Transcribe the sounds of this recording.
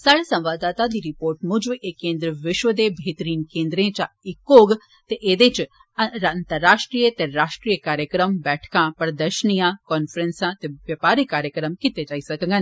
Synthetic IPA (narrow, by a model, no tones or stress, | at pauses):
sɐɽsɐ̃mʋaːd̪aːt̪ad̪iɾɪpoːɾʈmʊd͡ʒʋʔekːẽːnd̪ɾəʋɪʃʋəd̪ebʱeːt̪əɾiːnkẽːnd̪ɾẽt͡ʃa | ɪkːoːɡ | t̪eʔeːd̪et͡ʃ | ɐɾnt̪əɾːaːʃʈɾijət̪eɾaːʃʈɾiːjəkaːɾjəkɾəmbɛːʈʰkãpɐɾd̪əʃnijãkɔːnfɾensãt̪eʋjɐpaːɾikaːɾjəkɾəmkɪt̪et͡ʃaːisɐkəɡən